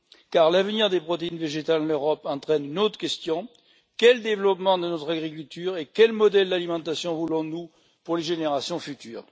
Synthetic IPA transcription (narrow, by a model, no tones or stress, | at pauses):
kaʁlavəniʁd̪epχɔt̪einveʒet̪alɑnøʁɔpɑ̃t̪χɛnynot̪χə̥kʲɛst̪jɔ̃ | kʲɛləd̪evlɔpmɑ̃d̪ənɔt̪χaɡʁik̬ʲylt̪yːʁekʲɛlmɔd̪ɛld̪alimɑ̃t̪asjɔ̃vulɔ̃nu | puʁleʒeneʁasjɔ̃fyt̪yːʁ